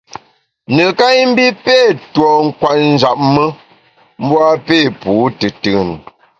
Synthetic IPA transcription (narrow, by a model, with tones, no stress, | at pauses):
nə˨ka˦m̩˦bi˦pe˦˨twɔ˨ŋ̩˦kwa˨t̚n̩˦d͡ʒa˨p̚mə˦ | m̩˦bwa˦pe˦˨puː˨˦tɨ˨tɨ˦˨n